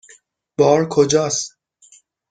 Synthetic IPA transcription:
b̥ɒːɾkʰod͡ʒɒːs

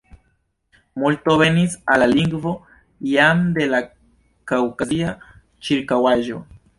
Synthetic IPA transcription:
multo̞βe̞nisalaliŋɡvo̞ | jamd̪e̞la | kawkazia | t͡ʃiɾkawaʒo̞

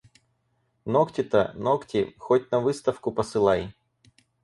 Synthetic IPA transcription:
noktʲɪt̪ɐ̰noktʲɪxot̚ʲnɐvɨst̪ɐfkʊpəsɨlˠaj

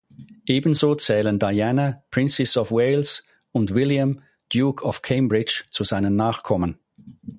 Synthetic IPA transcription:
ʔeːbən̩zoːt͡sɛːləndaɪanəpʁ̥ɪnt͡sɛsɔfweɪls | ʊntvɪljam | d̥juːkʰɔfkʰeɪmbʁɪt͡ʃt͡suzaɪnənnaːχkʰɔmən

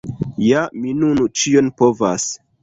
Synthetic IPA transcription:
jaminunut͡ʃionpovas

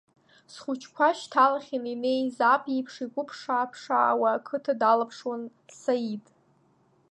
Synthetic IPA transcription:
sχʊt͡ʃʰkʷʰaʃtʰalaχʲininejzapʰʼipʰʂikʷʊpʰʂaːpʰʂa̰ːwaːkʰɨtʰadalapʰʂwan | sajitʼ

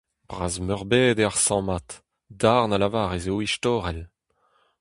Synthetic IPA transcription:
b̥ʁaːzmœʁbeːd̪eaʁsɑ̃mat̪ | d̪aʁnalavaːʁezoiʃtɔːʁɛl

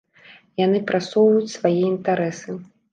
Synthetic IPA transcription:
janɨpɾʔasɔwvɐjut͡sʲsvajɛint̪aɾɛsɨ

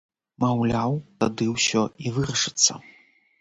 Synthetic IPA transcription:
mawlʲawt̪ad̪ɨwsʲɔivɨɾɐʂɨt̪sːɐ̰

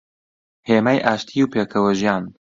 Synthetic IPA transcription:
heːmaːjʔaːʃt̪ʰiuwpeːkʰɐwɐʒjaːn

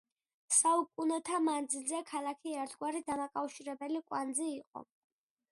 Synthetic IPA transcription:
saukʼunɛt̪ʰamand̪zilzɛkʰalˠakʰiɛɾt̪ʰɡwaɾid̪amakʼafʃiɾɛbɛlikʼwand̪ziːqʼɔ̰

